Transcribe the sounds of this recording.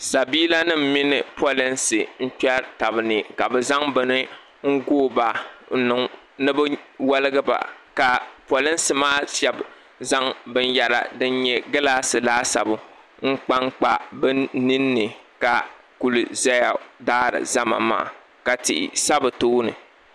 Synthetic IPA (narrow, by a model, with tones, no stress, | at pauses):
sa˨biː˦la˦nɨ˦m̩˦mi˦nɨ˨pʰo˦lɪ˦nsɨ˨n̩˦t͡ʃa˦ta˨bɨ˨nɨ˨ka˨bɛ˨za˦ŋbɨ˨nɨ˦ | ŋ̩˦ɡoː˦ba˨n̩˦nɨ˨ŋ | nɨ˦bɨ˦wa˦lɨ˦ɡɨ˦ba̰˨ka˨po˨lɪ˦nsɨ˨maː˦ʃɛ˨b | za˦ŋbɨ˦n˦ja˦ɾa̰˨dɨ˦nɲɛ˦ɡɨ˦la˦sɨ˨laː˦sa̰˨bʊ˨ | ŋ̩˦k͡pa˦ŋk͡pa˨bɨ˦ni˦nːɨ˨ka˨ | ku˨lɨ˨za˦ja˨daː˦ɾɨ̰˨za˦ma̰˨ma̰ː˨ | ka˨tḭ˨ʔɪ̰˨sa˦bɨ˨toː˦nɨ̰˨